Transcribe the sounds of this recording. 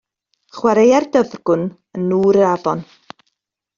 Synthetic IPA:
χwaɾejardəvrɡ̥ʊn | ənːuːɾəɾavɔn

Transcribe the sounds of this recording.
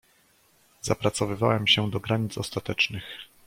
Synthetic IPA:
zapɾat̪sɔvɘvawɛmɕɛd̪ɔɡɾaɲit̪sɔst̪at̪ɛt͡ʂnɘx

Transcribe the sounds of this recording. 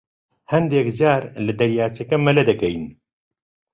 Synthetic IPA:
hɐnd̪ɛkd͡ʒaːɾlɨd̪ɐɾjaːt͡ʃɐkɛmɐlɛd̪ɛkɛjn

